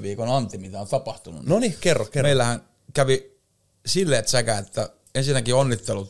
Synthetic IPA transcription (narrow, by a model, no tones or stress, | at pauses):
ʋiːkonɑnt̪ːimit̪æont̪ɑpɑht̪unṵnnonikerːokmeilːæhæŋ | kæʋi | silːeːt̪sækæet̪ːæ | ensinːækionːit̪ːelut̪